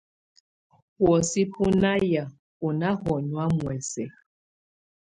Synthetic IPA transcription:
hwɔ˨si˦pʰʊ˦na˦ja˨ | ʊ˨na˦ɦɔ˨ɲwa˦mwɛ˨se˨

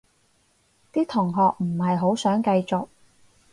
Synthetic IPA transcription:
t̪iː˥t̪ʰʊ˨˩ŋɦɔː˨k̚m̩˨˩hɐ˨jɦo˨˥wsœː˨˥ŋkɐ˧jt͡sʊ˨k̚

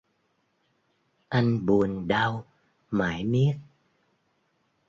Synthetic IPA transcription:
ʔa˧jŋɓu˨˩ənɗa˧w | maː˨˩˦jmi˦˥ək̚

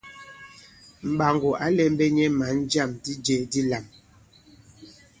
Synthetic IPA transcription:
m̩˨ɓa˨ŋɡo˨ʔa˨˦lɛ˦m˦bɛ˦ɲɛ˦ma˨˦n̩˦d͡ʒa˦˨mdi˦d͡ʒɛ˦di˦la˨m

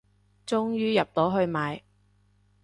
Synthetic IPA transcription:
t͡sʊ˥ŋjyː˥jɐ˨p̚t̪o˨˥wɦɵ˧ɥmaː˨˧j

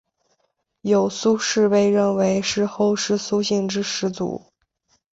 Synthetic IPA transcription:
jo˨˩ʊsu˥ʂɻ̩˥˧pe˥˧ɪɻə˥˩nwe˧˥ɪʂɻ̩˥˧xo˥˧ʊʂɻ̩˥su˥ɕi˥˧ŋʈ͡ʂɻ̩˥ʂɻ̩˧˥t͡sṵ˨˩˦

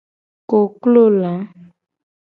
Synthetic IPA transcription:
ko˨klo˦˨la˨˦

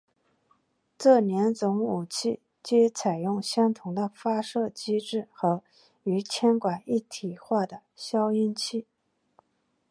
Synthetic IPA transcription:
ʈ͡ʂɤ˥˩njɛ˧˥nt͡sʊ˧˥ŋu˨˩t͡ɕʰi˥˩ | t͡ɕɛ˥t͡sʰa˨˩ɪjʊ˥˩ŋɕjɑ˥ŋt̪ʰʊ˨˩ŋd̪ə˧fa˥ʂɤ˥˩t͡ɕi˥ʈ͡ʂɻ̩˥˩xɤ˧˥ | y˧˥t͡ɕʰjɛ˥nkwa˨˩ni˥˩t̪ʰi˨˩xwa˥˩d̪ə˩ɕjɑ˥ʊi˥˧nt͡ɕʰi˥˩

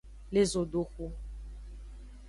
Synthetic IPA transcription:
le˦zo˨ɖo˦xu˦

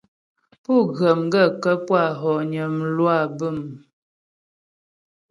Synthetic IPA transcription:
pu˦˨ɣə˨m˦ɡə˦˨kə˦pwa˦˨ɦɔ˨ɲə˨m̩˨lwa˦˨bə˦˨m

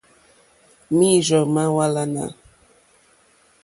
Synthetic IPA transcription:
mi˦˨zɔ˨ma˦wa˦la˦na̰˨

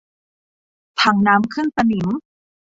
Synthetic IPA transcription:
t̪ʰa˨˩˦ŋnaː˦˥mkʰɯ˥˩nsa˧ni˩˦m

